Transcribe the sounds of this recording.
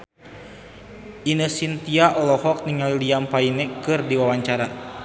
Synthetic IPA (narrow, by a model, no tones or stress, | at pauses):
ʔinəsint̪iaʔɔlɔhɔk̚niŋaliliampainɛkɨrdiwawaɲt͡ʃaɾa